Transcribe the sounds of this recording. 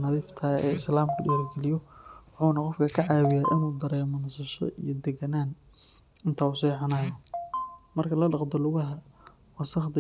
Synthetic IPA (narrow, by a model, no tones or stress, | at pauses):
nɐðiːft̪ʰɐɛ̰ːɪslaːmkʰɐɖɛjɐrɡɛlɪjɔwħuːnɐqɔfkʰɐkʰɐʕaːwɪjaːʔɪnuːd̪ɐɾɛːmɔnɐsɐʃɔ̰ʔḭjɔd̪ɛɡɐnaːn | ɪnt̪ʰaːʊsɛːħɑnaːjɔ | mɐrkʰɐlɐɖɑqd̪ɔlʊɣɐɦɐ | wɑsɐχd̪ɐ